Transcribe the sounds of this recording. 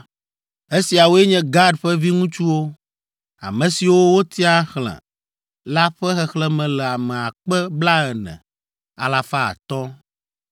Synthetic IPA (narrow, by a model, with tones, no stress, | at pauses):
e˦si˨a˨wo˦ɛ˦ɲɛ̃˦ɡa˦ɖɸɛ˦vi˦ŋũ˦t͡ʃu˦wo˦ | a̰˨mɛ̃˨si˨wo˦wo˦t̪ʰi˦a˦xlɛ̰̃˨ | la˦ɸɛ˦xɛ˨xlɛ˦mɛ̃˨lɛ˨a˨mɛ̃˨a˨k͡pɛ˦bla˦ɛ˨nɛ̰̃˨ | a̰˨la˨fa˦a̰˨t̪ɔ˦